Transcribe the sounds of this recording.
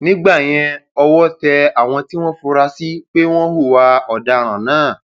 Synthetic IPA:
nĩ˦ɡ͡ba˦˨j̃ɛ̃˧ɔ˧wɔ˦tɛ˧a˨w̃ɔ̃˧ti˦w̃ɔ̃˦fu˧ɾa˧si˦k͡pe˦w̃ɔ̃˦ɦu˦˨wa˧ɔ˨da˧ɾ̃ã˨nãː˨˦˨

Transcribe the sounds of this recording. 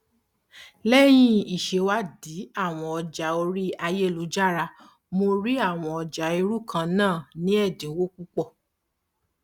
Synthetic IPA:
lɛ˦j̃ĩ˧i˨ʃe˧wa˦di˨˦a˦˨w̃ɔ̃˨˧ɔ˧d͡ʒa˨˦o˧ɾi˦a˧je˦˨lu˨˦d͡ʒa˦˨ɾa˧ | mo˧ɾi˦a˦˨w̃ɔ̃˧ɔ˧d͡ʒa˨˦i˧ɾu˦˨kʰã˧nãː˦˨nĩ˨˦ɛ˦˨dĩ˨˦wo˦ku˦k͡pɔ˦˨

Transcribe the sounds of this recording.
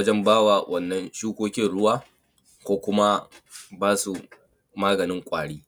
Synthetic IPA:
ɐ˦d͡ʒɛ˦mbaː˦waː˨wʔɐ˦˨nːɐ˦nʃuː˦kʷoː˦kʲɪ˦nɽʊ˦waː˦ | kʷoː˦kʷʊ˦ma˦baː˦su˨ | maː˦ɡɐ˨nɪ˦ŋkʷʼa̰ː˨ɽiː˦

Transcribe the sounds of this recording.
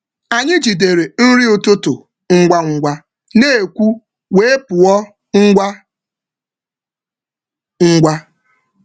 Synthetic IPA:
a˨ɲɪ˦d͡ʒi˨de˨ɾe˨n̩˦ɾi˦ʊ˨tʊ˦tʊ˨ | ŋ̩˦ɡʷa˦ŋ̩˦ɡʷa˦ | ne˦e˨kʷu˦ | we˦e˦pʊ˨ɔ˦ | ŋ̩˦ɡʷa˦ | ŋ̩˦ɡʷa˦

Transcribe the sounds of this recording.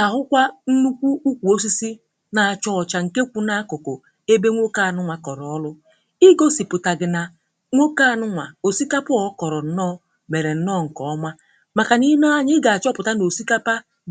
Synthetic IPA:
a˨ɦʊ˦kʷa˦n̩˦nu˦kʷu˦u˦kʷu˨o˦s̬i˦si˦ | na˨a˨t͡ʃɔ˦ɔ˨t͡ʃa˨ŋ̩˨ke˦kʷu˨na˦a˦kʊ˨ko˨ | e˦be˦ŋʷo˦ka˦a˨nʊ˦ŋʷa˨kɔ˨ɾɔ˨ɔ˦lʊ˦ | ɪ˦ɡo˦si˨pʊ˨ta˨ɡɪ˨na˨ | ŋʷo˦ka˦˨nʊ˦ŋʷa̰˨o˨si˦ka˦pʊ˦ɔ˨˦kɔ˨ɾɔ˨n̩˨nɔː˦˨ | me˨ɾe˨n̩˦nɔ˦˨ŋ̩˨kɔ˨ɔ˦ma˦ | ma˨ka˨ni˦nɔ˦a˦ɲɪ˦ɡa˨a˨t͡ʃɔ˦pʊ˨ta˦no˨si˦ka˦pa˦

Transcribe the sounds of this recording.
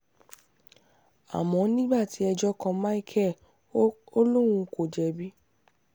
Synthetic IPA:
a̰˨mɔ̃˨˧˦nĩ˦ɡ͡ba˦˨ti˨˦ɛ˧d͡ʒɔ˦kɔ̃˧mã˦i˦˨kʰɛ˦˨ | o˦lo˦w̃ũ˧ko˨d͡ʒɛ˨bi˦

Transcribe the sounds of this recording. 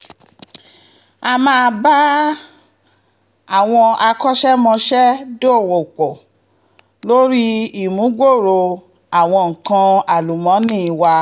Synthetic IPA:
a˧mãː˦˧ba˦ | a˦˨w̃ɔ̃˧a˧kɔ˦ʃɛ˦mɔ̃˧ʃɛ˦do˦˨wo˨k͡pɔ˨ | lo˦ɾi˦i˦˨mũ˨˦ɡ͡bo˦˨ɾo˧ | a˨w̃ɔ̃˧ŋ̩˨kã˧a˨lu˨mɔ̃˨˦nĩ˦˨i˧wa˧

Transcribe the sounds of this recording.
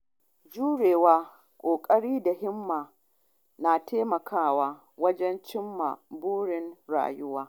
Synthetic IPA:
d͡ʒuː˦ɽeː˨waː˦ | kʷʼoː˨kʼɐ˦ɽiː˦da˨ɦɪ˦mːaː˨ | na˨tʰeː˦mɐ˨kʰaː˦˨waː˦ | wɐ˦d͡ʒɛ˦nt͡ʃɪ˦mːa̰˨buː˦ɽɪ˨nɽa̰ː˨jʊ˦waː˦

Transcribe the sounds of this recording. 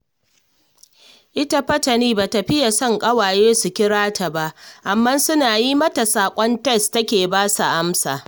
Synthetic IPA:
ʔɪ˦ta˦ɸɐ˦tɐ˨niː˦baː˨tɐ˨ɸɪ˦ja˨sɔ˦ŋkʼɐ˦waː˨jeː˦su˨kʲɪ˦ɽaː˦tʰa˨ba˦ʔʔa˨mːɐ˦nsʊ˦naː˨ji˦mɐ˦ta˨saː˨kʷʼɔ˦ntɛ˦˨stɐ˦kʲeː˨baː˦sa˨ʔa˦msa̰ː˨

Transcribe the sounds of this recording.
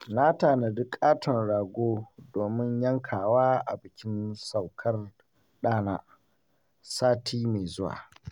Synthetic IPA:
naː˦taː˨na˨dʊ˦kʼaː˦tʰɔ˨nɽaː˨ɡʷoː˦doː˨mɪ˦ɲjɐ˦ŋkʰaː˨waː˦ʔa̰˨bɪ˨kʲɪ˦nsa˨wkʰɐ˦r | ɗaː˦naː˦ | saː˦tʰiː˦ma˨jzʊ˦wa̰ː˨

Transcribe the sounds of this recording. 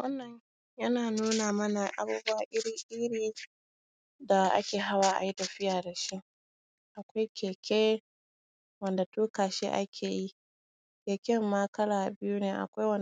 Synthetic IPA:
wɐ˦nːɐ˨ɲ | jɐ˦naː˨nuː˦naː˨mɐ˦na˨ʔa̰˨buː˦bʊ˦waː˦ʔɪ˦ɽiː˦ʔɪ˦ɽiː˨ | da˨ʔa̰˦kʲeː˨ɦa˦waː˨ʔa̰˨ji˦tɐ˨ɸɪ˦jaː˨da˨ʃi˦ʔ | ʔa˨kʷa˦jkʲʰeː˨kʲʰeː˦ | wɐ˦nda˨tuː˦kaː˨ʃḛ˦ʔa̰˦kʲʰeː˨ji˦ | kʲeː˨kʲɛ˦mːa˦kɐ˦laː˨bɪ˦ju˦neː˨ʔa̰˨kʷa˦jwɐ˦n

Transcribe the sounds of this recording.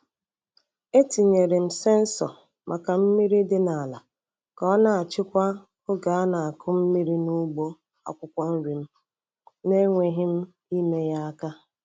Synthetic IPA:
e˦ti˨ɲe˨ɾɪ˨m̩˨se˦n̩˦sɔ̰˨ | mʔa˨ka˨m̩˦mi˦ɾi˦dɪ˦na˨la˨ | kɔ˦na˨a˨t͡ʃɪ˦kʷa˦ | ʊ˦ɡa˨a˦na˨a˨kʊ˦m̩˦mi˦ɾi˦nu˦ɡ͡bo˦ | a̰˨kʷʊ˦kʷa˦n̩˦ɾi˨m̩˦ | ne˦ŋʷe˨ɦɪ˦m̩˦ | i˦me˦ja˦a˦ka˦

